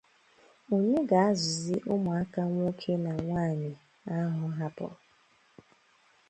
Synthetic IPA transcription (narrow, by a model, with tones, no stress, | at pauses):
o˨ɲe˦ɡa˨a˦zʊ˨zɪ˦ʔʊ˦mʊ˨a˦ka˦ŋʷ˦o˦kʰe˦na˨ŋʷaː˦˨ɲɪ˨ | a˦ɦʊ˦ɦa˦pɔ̰˨